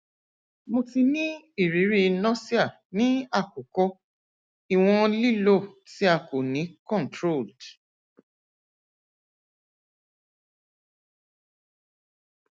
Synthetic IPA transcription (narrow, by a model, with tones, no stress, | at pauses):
mo˧ti˧nĩ˦ | i˦˨ɾi˨˦ɾi˦˧nɔ̃˦si˦a˦˨ | nĩ˨˦a˦˨ko˨kɔ˧ | i˦˨w̃ɔ̃˧li˦lo˦˨ti˨˦a˦˨ko˨nĩ˨˦kɔ̃˦˨n˨tɾo˦˨ld